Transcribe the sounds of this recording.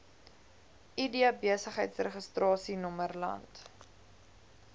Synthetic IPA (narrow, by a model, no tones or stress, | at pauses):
ʔidiɐbiəsəχɦəjtsreχəstrɑːsinɔmərlɐ̰nt